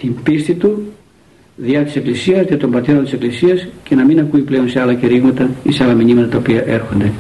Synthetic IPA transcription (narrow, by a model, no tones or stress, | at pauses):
t̪imbist̪it̪u | ðiɐt̪i̥se̞klisiɐstiɐt̪o̞mbɐt̪e̞ɾot̪ise̞klisiɐsce̞nɐminɐkuiple̞o̞nseɐlɐceɾiɣmɐt̪ɐiseɐlɐminimɐt̪ɐt̪ɐopiɐʔe̞ɾxo̞nd̪e̞